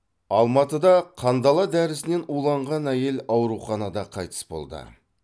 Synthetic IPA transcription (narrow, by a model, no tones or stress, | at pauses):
ɑlˠmɑt̪əd̪ɑqʰɑnd̪ɑlˠɑd̪æɾɪsɪne̞nulˠɑɴʁɑnæje̞lɑwɾuχɑnɑd̪ɑqʰɑjt̪ə̥sbo̞̰lˠd̪ə̰